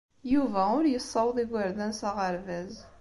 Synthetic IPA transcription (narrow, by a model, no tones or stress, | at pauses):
juvæʊɾjəsˤːɑwðˤiɡəɾðænsæʁəɾvæz